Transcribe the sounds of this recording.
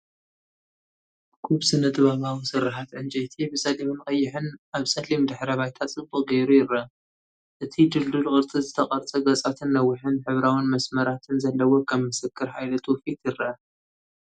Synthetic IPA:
kʰuβsɨnɐt̪ʼɨβaβawisɨɾːɨħat̪ʕɨnd͡ʒʼɐjt̪ʰibɨsɐlimɨnkʼɐjːɪħɨnʔaβsʼɐlimd̪ɨħɾɐβajt̪ʰat͡sʼɨbʼɨɡɐjɾujɪɾɐ | ʔɨt̪ʰid̪ɨld̪ulkʼɨɾt͡sʼɨzɨt̪ʰɐqʼɐɾt͡sʼɐɡɐt͡sʼat̪ʰɨnːɐwːɪħɨnħɨβɾawinmɐsmɐɾat̪ʰɨnzɐlːɐwokʰɐmmɨsɨkʰːɨɾħajlɐt̪ʰofit̪ʰjɪɾɐʔɐ

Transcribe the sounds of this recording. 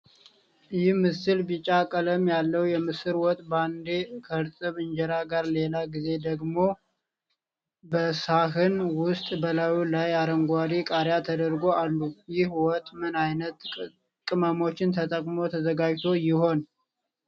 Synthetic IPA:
jɪhmɨsɨlbɨt͡ʃʼakʼələmjalːəwjɛmɨsɨɾwɔt̪ʼːband̪ekʰəɨɾt͡sʼɨβɨnd͡ʒɛɾaɡaɾle̞laɡize̞d̪əɡmo̞ | bəsaɦɨnwʊst̪ʼbəlawulajaɾəŋɡʷaɾikʼaɾjat̪ʰəd̪əɾɡo̞ʔalːujɪhwɔt̪ʼːmɨnajnət̪ | kʼɨməmo̞t͡ʃːɪnt̪ʰət̪ʼəkʼmo̞t̪ʰəzəɡad͡ʒt̪ʰo̞jɪho̞n

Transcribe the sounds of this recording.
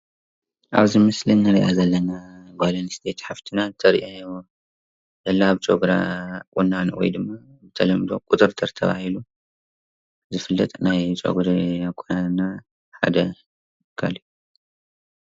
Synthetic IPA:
ʔaβzimɨslinːɨɾiʔazɐlːɐnabalɐnst̪ʰe̞t̪ħaft̪ʰinant̪ʰɐɾʔon | zɐlːaaβt͡ʃʼoɡɾa̰kʼunːanwɔ̰jd̪ɨmːa | bɨt̪ʰɐlɐmd̪o̞̰kʼʊt̪ʼɨɾt̪ʰɨɾt̪ʰɐβa̰hilu | zɨfɨlːɐt̪ʼnajt͡ʃʼo̰ɡɾiakʼunana | ħa̰d̪ɐ | kʰaliju

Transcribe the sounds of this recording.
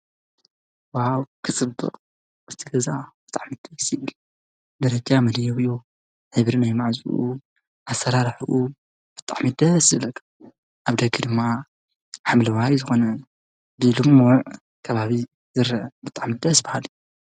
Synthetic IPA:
wawkʰɨt͡sʼɨbːɨ̰qʼ | ɨzt̪ʰɐɡɐzab̥ɨt̪ʼaʕmɨd̪̥ɐsjɪβɨl | d̪ɐɾɐd͡ʒamɐd̪jɛwju | ħɨβɾinajmaʕzṵʔṵ | ʔasɐɾaɾħuʔu | b̥ɨt̪ʼaʕmɨd̪ɐsɨβlɐkʰːɐ̥ | ʔaβd̪ɐɡʰɨd̪ɨmːa | ħamlɐwajzɨxonɐ | bɨlɨmʕ | kʰɐβaβi | zɨɾɐbɨt̪ʼaʕmɨd̪ɐsbahalɨ

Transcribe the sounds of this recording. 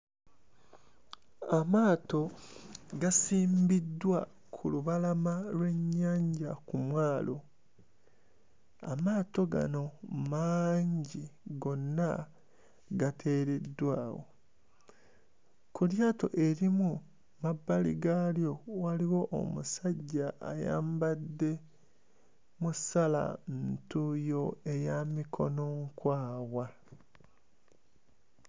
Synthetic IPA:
amaːto̞ | ɡasiːmbidːwa | kʰuluβalamalwe̞ɲːaːɲɟakumwaːlʔo̞̰ | a̰maːto̞ɡa̰no̞maːɲɟiɡo̞nːa | ɡatʰe̞ːɾedːwaːwo̞̰ | kuljaːto̞̰ʔe̞ɾimu | mabːalḭɡaljo̞waliwo̞ʔːmusaɟːa̰ːja̰ːmbadːe̞ | musala̰ntujo̞e̞jamikʰo̞no̞ŋkwaːwa

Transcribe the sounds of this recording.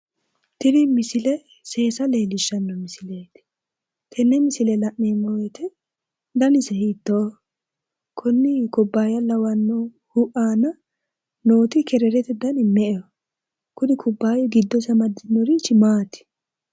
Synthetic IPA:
t̪ɪɾɪmɪsɪlɛ | seːsɐleːlɪʃːɐnːɔmɪsɪleːt̪ | t̪ʰɛnːɛmɪsɪlɛlɐʔneːmːɔwɛt̪ɛ | d̪ɐnɪsɛhit̪ːɔ | kʰɔnːɪkɔbːaːjɐlɐwɐnːɔ | hʊʔaːnɐ | noːt̪ɪkɛɾɛɾɛt̪ɛd̪ɐnɪmɛʔɛjɔ | kʊnɪkʰʊbːaːjɔɡɪd̪ːɔsɐmɐd̪ːɪnːɔɾɪt͡ʃːɪmaːt̪ɪ̥

